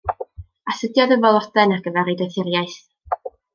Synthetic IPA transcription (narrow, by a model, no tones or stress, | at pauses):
aθədjɔðəvɔlˠɔdɛnaɡəvɛɾɨdɛθɪɾjaɨθ